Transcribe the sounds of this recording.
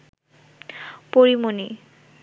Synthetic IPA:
poɹimoni

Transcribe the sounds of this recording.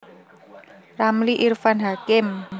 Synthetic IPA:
ramliʔirfanɦakɪm

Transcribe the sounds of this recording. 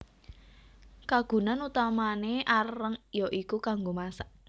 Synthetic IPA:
kaɡ̥ṳnanut̪amaneʔarəŋjɔʔikukaŋɡomasaʔ

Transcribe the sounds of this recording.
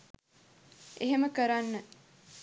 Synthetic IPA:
ʔeɦeməkəɾanːə

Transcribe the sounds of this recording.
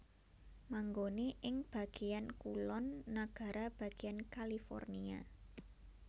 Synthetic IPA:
maŋɡoneʔɪŋb̥ä̤ɡ̥e̤jankulɔnːaɡ̥a̤ɾab̥ä̤ɡ̥eankalifɔ̰rnia̰

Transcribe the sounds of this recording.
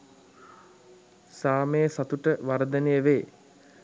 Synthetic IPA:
saːməjəsat̪uʈəʋaɾd̪ənejəʋeː

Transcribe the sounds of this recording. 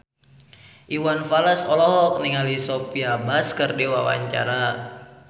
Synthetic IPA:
ʔiwanfaləsɔlɔɦɔk̚niŋalisopiabaskərdiwa̰wa̰ɲt͡ʃa̰ɾa

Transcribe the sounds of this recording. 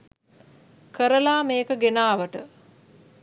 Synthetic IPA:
kəɾəlaːmeːkəɡenaːʋəʈə

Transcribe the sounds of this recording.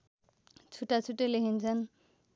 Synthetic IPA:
t͡sʰuʈːat͡sʰuʈːelekʰint͡sʰʌn

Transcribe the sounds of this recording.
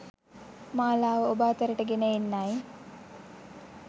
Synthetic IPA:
maːlaːʋəobaːt̪əɾəʈəɡenəenːai

